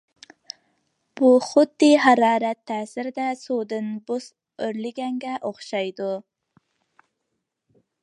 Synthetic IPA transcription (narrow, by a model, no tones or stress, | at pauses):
b̥uχʊd̪ːiɦɑɾɑːɾɛt̪ʰːæːsɪɾɪd̪ɛsud̪ɨnbos | øɾlɪɡʲɛŋɡʲɛʔoχʃɑjd̪u